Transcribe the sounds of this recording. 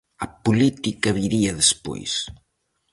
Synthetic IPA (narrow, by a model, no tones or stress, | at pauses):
ɐpulit̪ikɐβiɾiɐðespo̰js